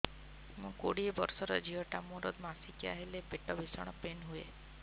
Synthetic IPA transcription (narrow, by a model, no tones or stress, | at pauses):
mũkoɽiebɔɾsɔɾɔd͡ʒʱiɔʈamũɾɔd̪masikia̰ɦelepeʈɔbʱisɔɽ̃ɔpenɦue